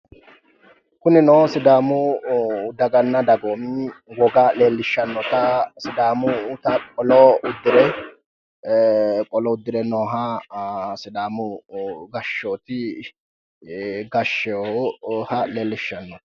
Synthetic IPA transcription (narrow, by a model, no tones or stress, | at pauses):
kʊnɪnoːsɪd̪aːmʊ | d̪ɐɡɐnːɐd̪ɐɡoːmɪwɔɡaːleːlːɪʃːɐnːɔt̪ɐsɪd̪aːmʊt̪ɐkʼɔlɔʊd̪ːɪɾɛ | kʼɔlɔʊd̪ːɪɾɛnoːɦa | sɪd̪aːmʊɡɐʃːoːt̪ɪ | ɡɐʃːɛ | hɐleːlːɪʃːɐnːɔt̪ɐ̥